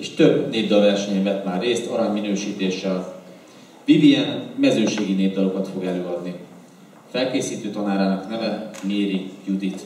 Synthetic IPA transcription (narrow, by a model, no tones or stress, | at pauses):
eʃt̪ø̞bneːvd̪ɒlvɛrʃɛɲɛɱvɛt̪maːrːeːst̪ɒɾɒɲminøːʃiːt̪eːʃɛl | viviɛnmɛzøːʃeːɡineːvd̪ɒlo̞kɒt̪fo̞ɡɛløːɒd̪ni | fɛlkeːsiːt̪øːt̪ɒnaːɾaːnɒknɛmɛmeːɾijud̪it̪